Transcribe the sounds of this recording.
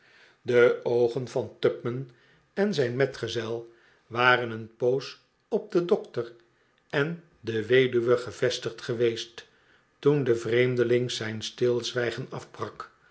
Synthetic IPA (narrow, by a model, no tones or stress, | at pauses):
dəowχənvɑntœpmən | ɛnzɛjnmɛtχəzɛlˠ | ʋaːrənənpows | ɔb̚dədɔktər | ɛn | dəʋejdyʋəχəv̥ɛstəχtχəʋejst | tundəvrejmdəlɪŋzɛjnstɪlˠzʋɛjχənɑfbrɑk